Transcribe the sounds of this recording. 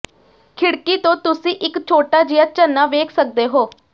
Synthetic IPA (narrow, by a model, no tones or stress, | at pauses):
kʰɪɽkiːt̪õːt̪ʊsĩːʔɪkt͡ʃʰoːʈaːd͡ʒɪjaːt͡ʃənːaːʋeːkʰsək̚d̪eːɦoː